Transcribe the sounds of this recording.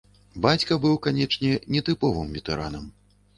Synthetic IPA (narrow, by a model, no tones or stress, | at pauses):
bat͡sʲkɐbɨwkanʲɛt͡ʂnʲɛnʲɛt̪ɨpɔvɨmvʲɛt̪ɛɾʔa̰nɐm